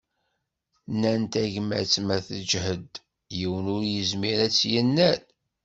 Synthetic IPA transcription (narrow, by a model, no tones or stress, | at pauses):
nːænt̪æʝmæ̰t͡sːmæθəd͡ʒhəd̪ | jiwənʊɾjəzmiɾæt͡sːjənːæl